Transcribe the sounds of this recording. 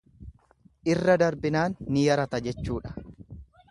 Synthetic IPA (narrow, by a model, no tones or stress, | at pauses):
ʔɪrːɐd̪ɐɾbɪnaːnːɪjɐɾɐt̪ɐd͡ʒɛt͡ʃːuːᶑɐ̥